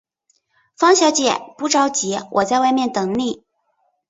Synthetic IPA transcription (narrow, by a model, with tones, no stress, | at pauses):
fɑ˥ŋɕjɑ˧˥ʊt͡ɕjɛ˨˩˦pu˧˥ʈ͡ʂɑ˧˥ʊt͡ɕi˧˥wʔɔ˨˩t͡sa˥˧ɪwa˥˧ɪmjɛ˥˩nt̪ɤ˨˩ŋli˥˩